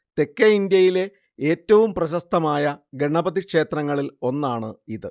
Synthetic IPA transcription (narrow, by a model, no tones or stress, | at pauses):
t̪e̞kːɐind̪jɐjile̞ | e̞ːtːɐʋumprɐɕɐst̪ʰɐmaːjɐɡeɳɐbɐðikʂe̞ːt̪rɐŋːɐɭilo̞nːaːɳɨiðɨ